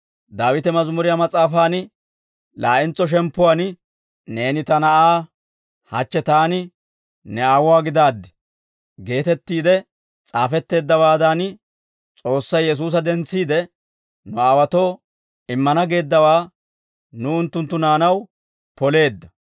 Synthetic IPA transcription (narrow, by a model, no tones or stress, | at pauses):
d̪aːwɪt̪ɛmɐzmʊɾɪjamɐt͡sʼaːfaːnɪ | laːʔɪnt͡sːɔʃ̬ɛmpːʊwan | ne̞ːnɪt̪ɐnɐaː | hɐt͡ʃːɛt̪aːnɪ | nɛaːwʊwaːɡɪd̪aːd̪ːɪ̥ | ɡe̞ːt̪ɛt̪ːiːd̪ɛ | t͡sʼaːfɛt̪ːe̞ːd̪ːɐwaːd̪an | t͡sʼo̞ːsːɐjjɛs̬uːs̬ɐd̪ɛnt͡sːiːd̪ɛ | nʊaːwɐt̪o̞ː | ɪmːɐnɐɡe̞ːd̪ːɐwaː | nʊʊnt̪ːʊnt̪ːʊnaːnɐw | pɔle̞ːd̪ːɐ